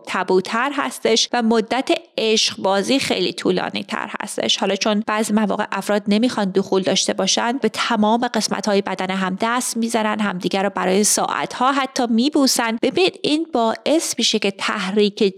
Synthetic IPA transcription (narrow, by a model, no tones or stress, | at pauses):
t̪ʰæbuːt̪ʰæɾɦæ̰st̪e̞ʃvæmod̪ːæt̪ʰeeʃqbɒːziːxḛjlḭːt̪ʰuːlɒ̰ːnḭːt̪ʰæ̰ɾhæ̰st̪e̞̰ʃhɒːlɒːt͡ʃʰo̞nb̥æzimævɒ̰ːɣe̞̰ʔæfɾɒːd̪ne̞miːxɒnd̪oxuːld̪ɒːʃt̪e̞bɒːʃænd̪be̞t̪ʰæmɒːme̞ɢe̞smæ̰t̪hɒːjebæd̪æneɦæmd̪æst̪miːzænænd̪ɦæmd̪iːɟæɾɔːbæɾɒːjesɒ̰ːʔæ̰t̪ʰhɒːɦæt̪ʰːɒːmiːbuːsænd̪b̥e̞biːniːd̪iːnbɒːʔe̞smiːʃe̞ce̞t̪ʰæ̰hɾiːcʰe